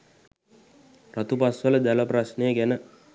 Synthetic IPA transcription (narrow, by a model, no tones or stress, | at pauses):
rat̪upasʋələd̪æləprasnejəɡænə